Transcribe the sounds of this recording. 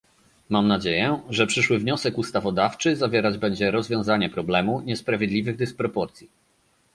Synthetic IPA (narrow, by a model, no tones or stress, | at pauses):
mamnad͡ʑejɛʐɛpʂɘʂwɘvɲɔsɛkust̪avɔd̪aft͡ʂɘzavʲjɛɾad͡ʑbɛɲd͡ʑɛɾɔzvʲjɔ̃w̃zaɲɛpɾɔblɛmuɲɛspɾavʲjed̪lʲivɘɣd̪ɘspɾɔpɔɾt̪sʲji